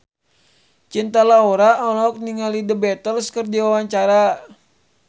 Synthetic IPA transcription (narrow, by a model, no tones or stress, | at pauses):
t͡ʃint̪alaoɾaɔlɔk̚niŋalidəbɛt̪əlskərd͡ʒiwawaɲt͡ʃaɾa